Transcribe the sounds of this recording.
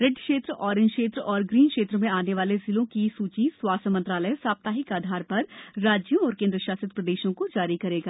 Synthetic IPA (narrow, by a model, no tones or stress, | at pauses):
ɾɪɖkʃeːt̪ɾəʔɔːɾɪ̃nd͡ʒkʃeːt̪ɾəʔɔːɾɡɾiːnkʃeːt̪ɾəmẽaːneʋaːlezɪlõkisuːt͡ʃiswaːsəmɐ̃nt̪ɾaːləjsaːp̚t̪aːɦɪkaːd̪ʱaːɾpɐɾːaːd͡ʒjõɔːɾkẽːnd̪ɾəʃaːsɪt̪̚pɾɐd̪eːʃõkod͡ʒaːɾikɐɾeːɡaː